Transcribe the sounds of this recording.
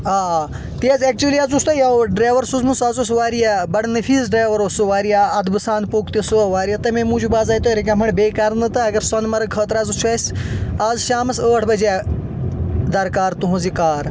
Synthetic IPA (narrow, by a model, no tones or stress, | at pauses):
aːaː | t̪iɐzek̚t͡ʃuʋliazust̪ɐjawɖɾaːʋɐɾsuzmusaːzusʋaːɾiabɐɽnɨfʰiːzɖɾaːjʋɐɾosuʋaːɾijaːɐd̪bɨsaːnd̪̚poːkt̪isuʋaːɾijɐt̪ɐmẽmũːd͡ʒubaːzaːjt̪oɾik̬ʲɐ̃mɐɳbeːkaːɾnɨt̪ɨɐɡɐɾsɐnmɐɾɐkʰəːt̪ɾaːzut͡ʃʰɐsʲaːzʃaːmɐsəːʈʰbɐd͡ʒaː | d̪ɐɾkaːɾt̪uɦũzikaːɾ